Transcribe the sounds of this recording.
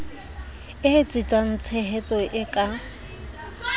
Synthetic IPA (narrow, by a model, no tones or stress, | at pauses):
ɪt͡sʼɪt͡sʼan̩t͡sʰɛɦɛtʼɔʔɪkʼa